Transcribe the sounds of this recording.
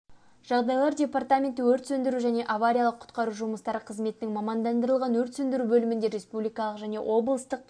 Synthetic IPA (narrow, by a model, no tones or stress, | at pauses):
ʒ̥ɑʁd̪ɑjlˠɑɾdʲe̞part̪amʲe̞nt̪ɪwɵɾt̪sɵnd̪ɪɾuʒæne̞ʔavaɾʲijalˠəqʰːʊ̥t̪qɑɾuʒuməst̪ɑɾəqʰəzme̞t̪ɪnɪŋmɑmɑnd̪ɑnd̪əɾəlˠʁɑnwɵɾt̪sɵnd̪ɪɾubɵlɪmɪnd̪e̞ɾʲe̞spublijkɑlˠəqʒæne̞̰ʔo̞blˠəst̪əq̚